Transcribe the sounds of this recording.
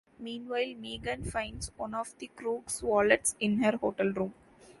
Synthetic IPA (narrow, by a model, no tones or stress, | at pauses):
mĩːnʋaɪlmiːɡə̃nfãɪ̃ɳɖsʋʌ̃nɔːʋd̪ikɾuːɡsʋɔːləʈsɪ̃nɦɐɾhoːʈəlɾũːm